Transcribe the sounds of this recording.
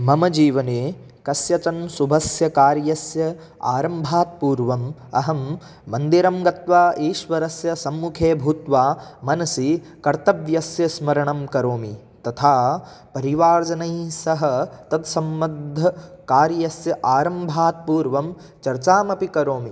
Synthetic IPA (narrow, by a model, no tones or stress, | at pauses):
mɐmɐd͡ʒiːʋɐneː | kɐsjɐt͡ʃɐnsubʱɐsjɐkaːɾjɐsjɐ | a̰ːɾɐmbʱaːt̪̚puːɾʋɐmɐ̰ɦɐmː | ɐnd̪iɾɐmɡɐt̪ʋaːʔiːʃʋɐɾɐsjɐsɐmːukʰeːbʱuːt̪ʋaːmɐnɐsi | kɐɾt̪ɐʋjɐsjɐsmɐɾɐɳɐmkɐɾoːmi | t̪ɐt̪ʰaː | pɐɾiʋaːɾd͡ʒɐnɐjsɐɦɐ̆t̪ɐd̪sɐmːɐd̪ʱːɐkaːɾjɐsjɐʔaːɾɐmbʱaːt̪̚puːɾʋɐm | t͡ʃɐɾt͡ʃaːmɐpikɐɾoːmi